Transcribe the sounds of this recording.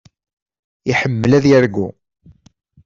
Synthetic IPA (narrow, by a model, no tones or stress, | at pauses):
iħəmːəlæðjəɾɡu